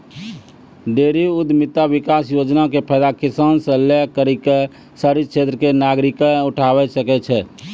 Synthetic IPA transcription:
ɖeːɾiʊd̪mɪt̪aʋɪkaːsjoːd͡ʒnakepʰɛd̪akɪsaːnsə̃lekəɾike | səɾit͡ʃʰeːt̪ɾəkenaːɡɾɪkəʊʈʰaːwɛsəkɛt͡ʃʰɛː

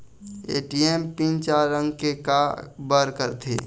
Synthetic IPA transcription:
ḛːʈiempĩnt͡ʃaɾə̃ŋɡkekabəɾkəɾt̪ʰḛː

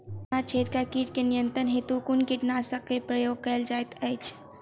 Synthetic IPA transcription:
at͡ʃʰet̪kakiʈkenijənt̪ɾənɦet̪ukunkiʈnasəkːepɾəjoːɡ̚kəeld͡ʒajt̪əjt͡ʃʰ

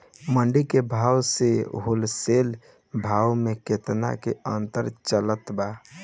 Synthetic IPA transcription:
məɳɖikebʱawseɦolsel | bʱawmeket̪na̰kḛənt̪əɾt͡ʃələt̪ba

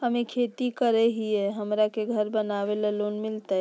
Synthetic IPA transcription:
ɦəmekʰet̪ikəɾɛɦieɦəmɾakeɡʱəɾbənaʋelelonmilt̪ə

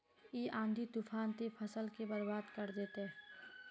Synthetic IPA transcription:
eːʔãːnd̪ʱit̪upʰaːnt̪epʰəsəlkebəɾbaːd̪kəɾd̪eːt̪ɦɛ

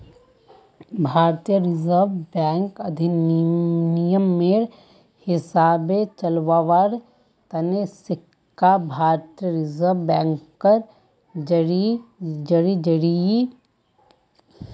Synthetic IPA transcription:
bʱaːɾt̪ijəɾɪzəɾʋbɛ̃ːŋkɐd̪ʱi | nɪjəmːeːɾ | hɪsaːbet͡ʃɐlʋaːʋaɾ | t̪ɐnesɪkː | abʱaːɾt̪ijəɾɪzəɾʋbɛ̃ːŋkːəɾ | d͡ʒɐɽid͡ʒɐɽid͡ʒɐɽii

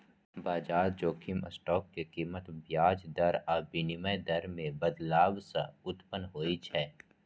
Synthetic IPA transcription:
baːd͡ʒaːɾd͡ʒoːkʰimə̰sʈɔːkːekiːmət̪bjaːd͡ʒd̪ɐɾaːbɪnɪməjd̪ɐɾmẽbəd̪laːbsaʊt̪pənɦoːit͡ʃʰɛː

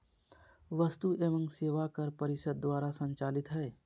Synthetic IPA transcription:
ʋəst̪uʔeʋə̃ŋkseːʋakəɾpəɾɪʃəd̪̚ːwaːɾasə̃nt͡ʃaːlɪt̪ɦɛe

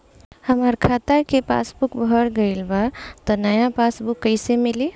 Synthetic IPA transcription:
hɐmaɾkʰaːt̪akepa̰ːsbʊkbʱəɾɡəɪlbat̪onəjãpaːsbʊkːəɪsemɪle

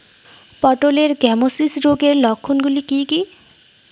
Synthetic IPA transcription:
pɔʈoleɾɡɛmosisɾoɡeɾlɔkʰːunɡulikiki

